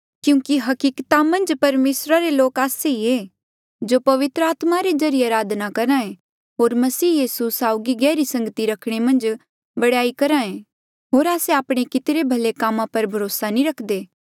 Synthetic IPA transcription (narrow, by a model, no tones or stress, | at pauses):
kjũːkiɦɐkiːkt̪amɐ̃nd͡ʒpɐɾmeːsɾaɾeloːkaːseie | d͡ʒopɐʋɪt̪ɾəaːt̪maɾed͡ʒɐɾijeaːɾaːd̪nakɐɾãẽ | ɦoːɾmɐsiːjiːsusaːʊɡiɡɛːɾisɐ̃ŋɡət̪iɾɐkʰɽ̃emɐ̃nd͡ʒ | bɐɽaːikɐɾãːẽ | ɦoːɾaːseaːpɽ̃ekɪt̪ɾebʱɐlekaːmãpɐɾbʱɐɾoːsanĩɾɐkʰd̪eː